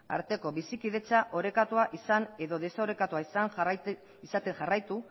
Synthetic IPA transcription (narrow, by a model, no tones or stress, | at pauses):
a̰ɾt̪e̞ko̞βisikið̞e̞t͡saʔo̞ɾe̞kat̪uaʔisane̞ðo̞ðe̞saoɾe̞kat̪uaisaŋ | isat̪e̞ŋʝarajt̪u